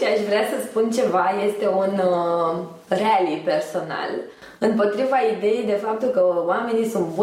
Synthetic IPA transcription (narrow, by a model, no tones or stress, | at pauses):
iaʃvɾeasəspunt͡ʃe̞vaje̞st̪e̞un | realipe̞rso̞na̰l | ɨmpo̞t̪ɾivaid̪e̞jejd̪e̞fap̚t̪ulkəoame̞nisunt̪bu